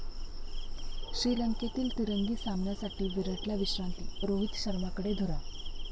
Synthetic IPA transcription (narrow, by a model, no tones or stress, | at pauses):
ɕɾiːləŋket̪iːlt̪iɾəŋɡiːsamɳjasaʈiːʋiɾəʈljaʋiɕɾant̪iːɾoʋit̪ɕəɾmakəɽed̪ʱuɾa